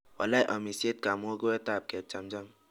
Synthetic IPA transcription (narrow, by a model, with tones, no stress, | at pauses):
ɔ̰˨la˦jʔɔ˨mi˨se˦t̪̚ka˨mu˦o˦ɡo˦e˦t̪a˦˨p̚kɛ˨p̚t͡ʃa˨md͡ʒa˦m